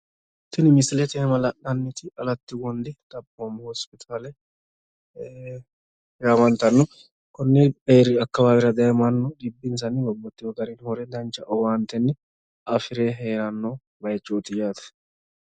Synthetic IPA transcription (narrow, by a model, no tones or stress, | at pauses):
t̪ɪnɪmɪsɪlɛt̪ɪmɐlɐʔːɐnːɪt̪ʰɪʔɐlɐt̪ːɪɡɔnd̪ɪt̪ʼɐpʼːomhɔspɪt̪ʰaːlɛ | jaːmɐnt̪ɐnːɔ | kɔnːɛeːɾɪɐkːɐbaːbɪɾɐd̪ɐjɐmɐnːɔd̪ɪbːɪns̬ɐnɪbɔbːɔt̪ːɪɔɡɐɾɛnhɔɾɛd̪ɐnt͡ʃːɐʔɔwaːnt̪ːɛnːɛ | ɐfɪɾeːɦeːɾɐnːo | bɐjt͡ʃːoːt̪ːɪjaːt̪ɐ̥